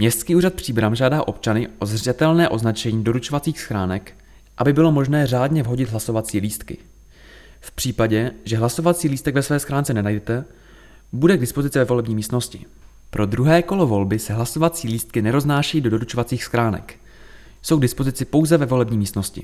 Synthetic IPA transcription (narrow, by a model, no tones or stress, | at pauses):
mɲɛst̪skiːʔuːrat̪̚pr̝̥iːbɾamʒaːdaːʔo̞p̚t͡ʃanɪʔo̞zrɛt̪ɛlnɛːʔo̞znat͡ʃɛɲiːdo̞ɾut͡ʃo̞vat͡siːxsxɾaːnɛk | ʔabɪbɪlo̞mo̞ʒnɛːr̝aːdɲɛvɦo̞ɟɪt̪d̪ɦlaso̞vat͡siːliːst̪kɪ̰ | fpr̥iːpaɟɛʒɛɦlaso̞vat͡siːliːst̪ɛɡvɛsvɛːsxɾaːnt͡sɛnɛnajdɛt̪ɛ | budɛɡdɪspo̞zɪt͡sɪvɛvo̞lɛbɲiːmiːst̪no̞scɪ̰ | pɾʔo̞d̪ɾuɦɛːko̞lo̞vo̞lbɪsɛɦlaso̞vat͡siːliːst̪̚kɪnɛɾo̞znaːʃɛjiːdo̞do̞ɾut͡ʃovat͡siːxsxɾaːnɛ̰k | sowɡdɪspo̞zɪt͡sɪpo̞wzɛvɛvo̞lɛbɲiːmiːst̪no̞scɪ̰